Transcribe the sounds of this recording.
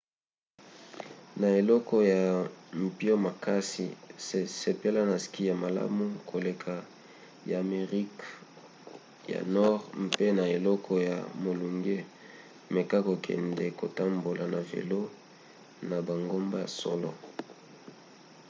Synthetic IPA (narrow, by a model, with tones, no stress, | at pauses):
na˨e˨lɔ˦kɔ˦ja˨m̩˨pi˦o˦ma˨ka˦sḭ˨se˨pe˦la˦na˨ski˦ja˨ma˨la̰˦mu˦kʰo˨le˨kʰa˨ | ja˨me˨ʁi˦k | ja̰˨nɔ˦ʁmpe˦na˨e˨lɔ˦kʰɔ˦ja̰˨mo˨lu˨ŋɡe˦ | me˨ka˦ko˨kʰɛ̰˨ndɛ˨ko˨ta˦mbo˨lʔa˨na˨vḛ˨lo˦ | na˨ba˨ŋɡo˦mba˦ja̰˨sɔ̰˦lɔ˨